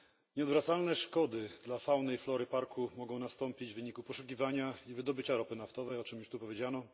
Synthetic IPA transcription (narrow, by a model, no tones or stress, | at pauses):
ɲɛɔd̪vɾat̪salnɛʂkɔd̪ɘd̪lafawnɛjflɔɾɘpaɾkʰumɔɡɔ̃w̃nast̪ɔmpʲid͡ʑvɘɲikupɔʂuk̬ʲivaɲaivɘd̪ɔbɘt͡ɕaɾɔpɘnaft̪ɔvɛjɔt͡ʂɘmjuʂt̪upɔvʲjed͡ʑanɔ